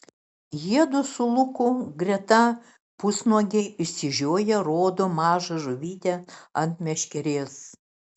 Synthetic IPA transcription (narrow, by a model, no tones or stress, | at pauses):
jiɛd̪ʊsʊlˠʊkʊɡɾʲɛt̪ɐ | pʊsnuɔɡʲeɪʃsʲɪʒʲoːjɛɾoːd̪oːmɑːʒɐʒʊʋʲiːt̪ʲɛɐnt̪mʲɛʃʲkʲɛɾʲeːs